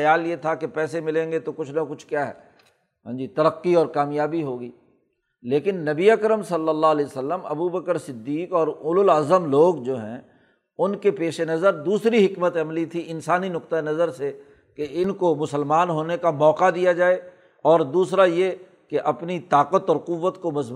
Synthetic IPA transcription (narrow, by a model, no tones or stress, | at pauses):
ɐjaːljet̪ʰakepɛːsemɪlẽːŋɡet̪okʊt͡ʃʰnɐkʊt͡ʃʰkjaːɦɛ̰ː | ɦãːd͡ʒit̪ɐɾəqːiɔːɾkaːmjaːbiɦoːɡiː | leːkɪnːɐbiɐkɾəmsɐlːəlːaɦlɛːsəlːəmɐ̰bubəkəɾsɪd̪ːiːkɔːɾʊlʊlaːzəmloːɡd͡ʒoːɦɛ̰̃ | ʊnkepeːʃenɐzəɾd̪uːsɾiɦɪkmət̪ɐmlit̪ʰiʔɪnsaːninʊqt̪aenɐzəɾse | keɪnkomʊsəlmaːnɦoːnekamɔːqad̪ijad͡ʒaːe | ɔːɾd̪uːsɾaje | keʔɐpnit̪aːqət̪ɔːɾqʊʋːət̪komɐzb